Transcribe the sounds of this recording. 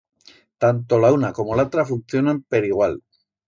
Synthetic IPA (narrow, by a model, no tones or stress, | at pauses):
t̪ant̪o̞launako̞mo̞laot̪ɾafunθjo̞nampeɾiɣwal